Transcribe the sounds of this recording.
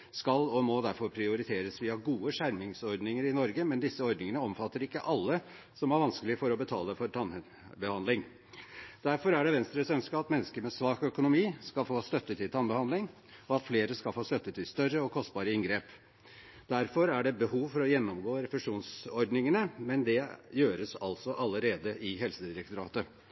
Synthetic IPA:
skɑlɔmɔd̪æɾfɔɾpʰɾɪʊɾɪt̪ʰeːɾəsʋiːɑɡuːəʂæɾmɪŋsɔɾɖ̪nɪŋəɾɪnɔɾɡəmɛnd̪ɪsːəɔɾd̪nɪŋənəɔmfɑt̪ːəɾɪkːəʔɑlːə | sɔmæɾʋɑnskəlɪəfɔɾɔbət̪ʰɑ̰ːləfɔɾʈʰɑn | bəhɑnd̪lɪŋ | d̪̥æɾfɔɾæɖɛʋɛnst̪ɾəsœnskəɑt̪mɛnːəskəɾmɛsʋɑːkœkʊnʊmiːskɑlfoːst̪œt̪ːət̪ʰɪlt̪ʰɑnbəhɑnd̪lɪŋ | ɔɑt̪fleːɾəskɑfoːst̪œt̪ːət̪ʰɪlst̪œrːəɔkʰɔst̪̚bɑːɾəɪŋɡɾeːp | d̪̥æɾfɔɾæɖɛbəhuːʋfɔɾɔjɛnːɔmɡoːɾɛfɛʂuːnsɔɾɖ̪nɪŋənəmɛnd̪ɛjøːɾəsɑ̰lsɔʔɑlːəɾeːd̪əʔɪɦɛlsəd̪ɪɾɛk̚t̪ʊɾɑ̰ːt̪ə

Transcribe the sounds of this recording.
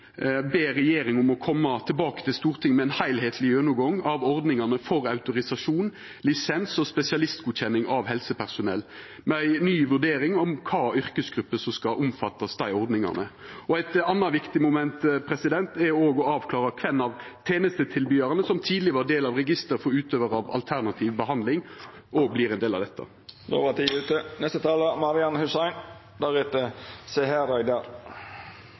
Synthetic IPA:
beːɾɛjeːɾɪŋʊmɔkʰɔmːɑt̪ʰɛlbɑːkət̪ʰɪlst̪uːʁt̪ʰɪŋːmɛɛɪnhæɪlɦeːt̪ʰlɪønəɡɔŋːɑʋɔʁd̪nɪŋɑnəfɔɾɑʉt̪ʊɾɪsɑʂuːn | lɪsɛnsɔspɛsɪɑlɪst̪̚ɡuːd̪çɛnːɪŋʔɑʋɦɛlsəpʰæʁsʊnɛ̰lː | mɛæɪnyːʋʉʁɖ̪eːɾɪŋɔmkʰɑːʏɾkəsɡɾʉpːəsɔmskɑʔʊmfɑt̪ːɑsd̪æɪɔɾd̪nɪŋɑ̰nəɔæɪt̪ɑnːɑʋɪkt̪ɪmʊmɛnt̪pʰɾɛsɪd̪ɛnt̪ɛoːɡɔɑːʋkʰlɑːʁəkʰʋɛnːɑʋt̪ʰeːnəst̪ət̪ʰɪlbyːɑɾɑnəsɔmt̪ʰiːd̪lɪʋɑʁd̪eːlɑʋʁɛɡɪst̪əɾfɔɾʉːt̪øːʋəɾɑʋɑ̰lt̪ʰæʁnɑt̪ʰiːʋbəɦɑnd̪lɪŋ | ʔɔblɪːɾɛnd̪eːlɑ̰d̪ɛt̪ʰːə̰ | d̪o̰ːʋɑt̪ʰiʉːt̪ənɛst̪ət̪ʰɑːləmɑɾɪɑnhʉsæɪn | d̪æɾɛt̪əsɛhæɾɑd̪əɾ

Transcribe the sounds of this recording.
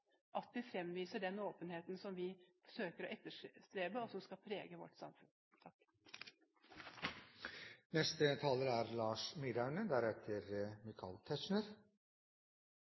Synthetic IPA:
ʔɑt̪d̪ɪfɾɛmːʋiːsəɖɛnoːpənheːt̪nsɔmʋɪfɔ̥ʂøːkəɾɔʔɛt̪ːəʂʂt̪ɾeːbəɔsɔmskɑlpʰɾeːɡəʋɔ̰ʈːsɑ̰mfʉn | t̪ʰɑk | nɛst̪ət̪ʰɑːləɾæɾlɑːʂmiɾɑʉnəd̪æɾɛt̪ʰəɾmɪkʰɑ̰lt̪ʰɛʃɳəɾ

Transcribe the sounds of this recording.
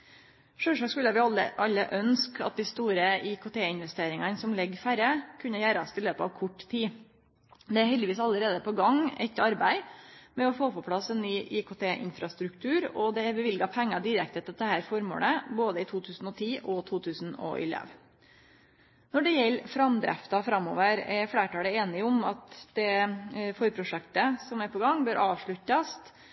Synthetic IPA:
ʂøːʂɑːkskʉlːəʋɪɑlə̰ʔɑlːəʔœnskʰɑ̰t̪̚d̪ɪst̪uːɾəɪkʊt̪ʰeːɪnʋɛst̪eːɾɪŋɑnsɔmlɛɡfæɾəkʰʉnːəjæːɾɑst̪ʰɪløːpəɑ̰ʋkʰʊʈːt̪ʰiː | d̪ɛæɾhɛld̪ɪʋiːsɑlːəɾeːd̪əpɔɡɑŋɛ̰t̪ɑɾbæɪmɛɔfoːpɔpʰlɑsɛnːyːʔɪkʊt̪ʰeːʔɪ̰nfɾɑst̪ɾʉkt̪ʰʉːɾɔd̪ɛæɾbɛʋɪlɡɑpʰæŋːɑd̪ɪɾɛk̚t̪ət̪ɛt̪ːəhæːɾfɔɾmo̰ːləboːd̪əɪt̪ʰuːt̪ʰʉːsn̩ɔt̪ʰiːʔɔt̪ʰuːt̪ʰʉːsnɔ̰ʔɪ̰lɛ̰ʋ | nɔɖɛjɛlːfɾɑmd̪ɾæ̰ft̪ɑfɾɑmːo̰ːʋəɾɛɾfɽeːʈɑːləeːnɪʊmɑt̪d̪̥ɛfɔɾpʰɾʊʂɛkt̪əsɔmæɾpʰɔɡɑŋːbøːɾʔɑːʋʂɭʉtːɑst̪

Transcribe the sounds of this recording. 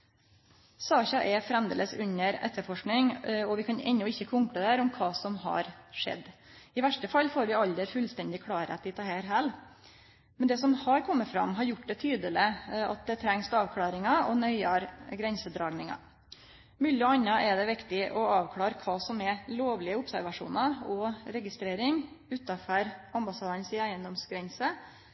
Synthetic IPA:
sɑːçɑʔɛfɾɛmd̪ɛ̰ləsʉ̰ɲːəɾɛ̰t̪ʰːəɾfɔʂknɪŋɔʋɪkʰɑnɛ̰nːʊɪçːəkʰɔŋkɽəd̪æːɾɔmkʰɑːsɔmhɑ̰ɾʂɛ̰d̪ː | ɪʋæʂʈəfɑlːfoːɾʋɪɑld̪əɾfʉlst̪ɛnd̪ɪkʰɽɑːɾə̰t̪d̪ɪt̪ʰɑhæːɾɦæːl | mɛnd̪ɛːsɔmhɑɾkʰɔmːəfɾɑ̰mɦɑɾjʊʈːd̪ɛt̪ʰyːd̪əlɪɑ̰t̪̚d̪ɛt̪ʰɾɛŋsɑːʋkʰɽɑːɾɪŋɑɔnœʏɑɾɡɾɛnsəd̪ɾɑːɡnɪŋɑ̰ | mʉːlɪɔɑnːɑʔɛd̪ɛʋɪkt̪ɪʔɔɑːʋkʰlɑːɾkʰʋɑːsɔmɛloːʋlɪəʊpsæɾʋɑʂṵːnɑɔɾɛɡɪst̪ɾeːɾɪŋ | ʉːt̪ɑfœɾɑmbɑsɑːd̪ənsɪæɪənd̪ɔmsɡɾɛnsə

